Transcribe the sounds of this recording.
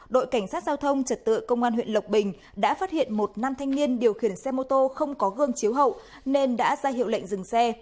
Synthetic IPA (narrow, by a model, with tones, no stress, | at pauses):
ɗo̰˧˨jka˧˩jŋ̟saː˦˥t̚zaː˧wt̪ʰə˧wŋ͡mt͡ɕə˨˩t̚t̪ɨ̰˧˨jkə˧wŋ͡mʔaː˧nhwḭ˧˨ənlə˨˩wk͡p̚ɓï˨˩ŋ̟ | ɗa̰ː˧˥faː˦˥t̚hḭ˧˨ənmo˨˩t̚naː˧mt̪ʰa˧jŋ̟ni˧ənɗi˨˩əwxi˧˩ənsɛ˧mo˧t̪o˧xə˧wŋ͡mkɔ˨˦ɣɨ˧əŋt͡ɕi˨˦əwɦə̰˧˨w | ne˧nɗa̰ː˧˥zaː˧hɦḭ˧˨əwlə̰˧˨jŋ̟zɨ˨˩ŋsɛ˧